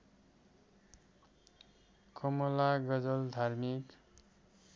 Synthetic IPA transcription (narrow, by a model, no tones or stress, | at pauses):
kʌmʌlaɡʌd͡zʌld̪ʱarmik